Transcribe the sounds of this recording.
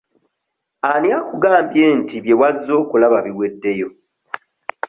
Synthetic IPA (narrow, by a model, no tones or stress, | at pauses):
anjakuɡaːmbjeːntiβje̞wazːo̞ːkulaβaβiwe̞dːe̞jo